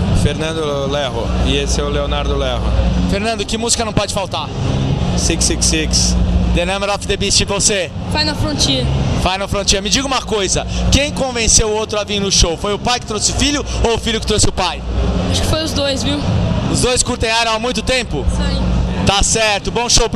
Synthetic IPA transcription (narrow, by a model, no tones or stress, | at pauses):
feɾnɐ̃nd̪ʊlɛɦʊ̰ɪesɛʊleonaɾd̪ʊlɛɦʊ̰feɾnɐ̃nd̪ʊkɪmuzikɐnɐ̃w̃pɔd͡ʒɪfawt̪aɾsiksiksiksd̪enɐ̃meɾɔfd̪ebist͡ʃɪvose | fajnɐfɾõt͡ʃiɐfajnɐfɾõnt͡ʃiɐmɪd͡ʒiɡɐũmɐkojzɐkẽj̃kõvẽsewʊowt̪ɾʊaviɾnʊʃowfojʊpajkɪ̥t̪ɾosɪʊfiʎʊowʊfiʎʊkɪ̥t̪ɾosɪʊpajaʃʊ̥kɪ̥fojʊzd̪ojzviwʊzd̪ojskuɾt̪ẽj̃ajɾɐ̃w̃amũj̃t̪ʊt̪ẽmpʊsait̪asɛɾt̪ʊbõʃow